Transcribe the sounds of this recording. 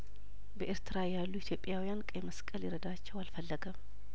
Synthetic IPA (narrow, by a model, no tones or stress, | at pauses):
bəʔeɾt̪ʰɨɾajalːuit̪ʰjo̞pʼjawijankʼəjməskʼəljɪɾəd̪at͡ʃːɛwalfəlːəɡəm